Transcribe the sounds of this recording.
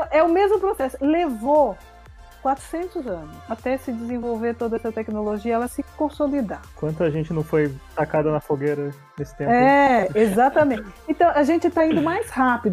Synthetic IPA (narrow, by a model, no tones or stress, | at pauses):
t̪ɐ̃w̃ɛʊmezmʊpɾosɛsʊlevo | kwat̪ɾʊ̥sẽnt̪ʊzɐ̃nʊsat̪ɛsɪd͡ʒɪzẽvowveɾt̪od̪ɐɛsɐt̪ɛknoloʒiɐɛlɐsɪkõsolid̪akwɐ̃nt̪ʊɐʒẽnt͡ʃɪnɐ̃w̃fojt̪akad̪ɐnɐfoɡeɾɐ | nesɪt̪ẽpɛezat̪ɐmẽnt͡ʃɪɪẽnt̪ɐ̃w̃ɐʒẽnt͡ʃɪt̪aĩd̪ʊmajshapid̪ʊ